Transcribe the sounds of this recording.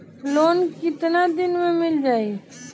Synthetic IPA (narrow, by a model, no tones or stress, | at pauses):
loːnkɪt̪nad̪ɪnmẽmɪld͡ʒaːi